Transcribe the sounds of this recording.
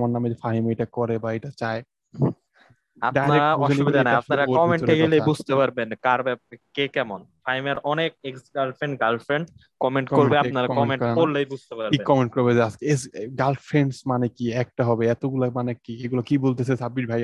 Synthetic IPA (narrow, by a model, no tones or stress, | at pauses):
maɾnamed͡ʑefʰaɦimejʈakɔɾebaejʈat͡ɕae | a̰ɖajaɾeɾauɔeʃlibid̪anaapnaɾakɔmeɳʈeɡelejbud͡ʑʱt̪epaɾbenkaɾbɛkekɛmonfʰaɦimeɾɔnek̚eksɡalfɾeɳɖɡalfɾeɳɖ | kɔmeɳʈkkoɾbeanaɾakɔmeɳkɔɾkoɾlejbud͡ʑʱt̪epaɾkinkɔmeɳʈ̚koɾbed͡ʑeaskeeɡalffʰɾeɳɖsmanekiɛk̚ʈaɦɔbeɛt̪oɡulamanekieɡulakibolt̪esʰesabiɾbʱaj